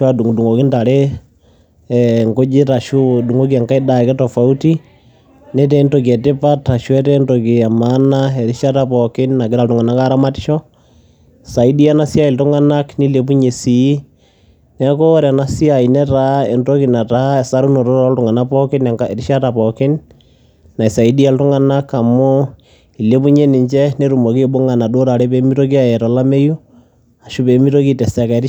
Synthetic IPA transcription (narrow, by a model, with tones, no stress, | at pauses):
wa˦du˨ŋdu˨ŋo˨ki˦nda˨ɾɛ | ɛŋko˦d͡ʒi˦ta˨ʃu˦du˨ŋo˦k̬i˦a˨ŋka˦i˦da˨kɛ˦tɔ˨fa˨uti˦ | nɛtɛ˦ntɔk̬ɛ˨ti˦pata˨ʃwɛ˦tɛntɔkia˨manaɛ˨ɾi˦ʃa˦ta˦pɔki˦nna˨kɪ˦ɾa˨tu˨ŋa˨na˦ka˦ɾa˦mati̥˦ʃɔ | sa˨i˦di˦a˦na˦sja˦i˨ltu˦ŋa˦na˦kni˦le˨pu˦ɲe˨si | nɛ˨˦ko˦ɾa˨na˦si˦a˨i˨nɛ˦ta˦e˨nto˦ki˨na˨ta˦e˨sa˦ɾu˦no˨ɾo˦ɾɔ˦ltʊ˨ŋa˨na˦pɔ˦kɪ˦n˨ŋae˨ɾi˦ʃa˦ta˨pɔkɪ˦n | na˨i˨sa˨i˦di˦a˦ltʊ˦ŋa˦na˦ka˨mʊ˦ | i˨le˦pu˦ɲe˦nɪ˨ɲt͡ʃɛ˦ne˦ɾu˨mo˨ki˦ɓo˦ŋa˨na˨do˦ɾa˨ɾe˦pe˦mi˦to˦k̬i˦a˨ɛ˨tɔ˨la˦me˦ju˦ | a˨ʃu˦pe˨mi˦to˦ki˦tɛ˨sɛ˨ka˨˦ɾ